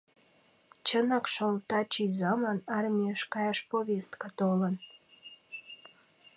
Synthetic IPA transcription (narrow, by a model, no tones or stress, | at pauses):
t͡ɕənɑkʃolt̪ɑt͡ɕyzɑmənɑrmʲieəʃkɑjɑʃpoβest̪kɑt̪olən